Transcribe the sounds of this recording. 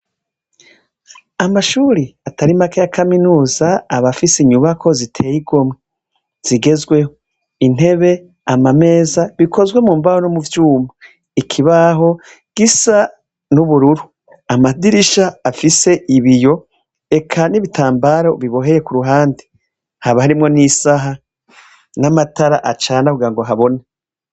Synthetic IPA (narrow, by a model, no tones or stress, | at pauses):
amaʃuɾiataɾimakajakʰaminuːzaːβafisiɲuβakʰo̞zitʰe̞ːjiɡo̞mŋe | z̥iɡe̞zɡwe̞ho | in̥e̞βe̞ | amame̞ːzaβikʰo̞zwe̞muːɱvahonomuvjuːma | ikʰiβaɦo̞ | ɡ̥isa | nuβuɾuɾu | amadiɾiʃaːfise̞ʔiβijo̞ | e̞kʰaniβitʰaːmbaɾo̞βiβo̞ɦe̞jekuɾuɦaːndi̥ | haβahaɾimŋo̞nisaɦa | namataɾaʔat͡ʃaːnakuɡiɾaŋɡo̞ɦaβo̞na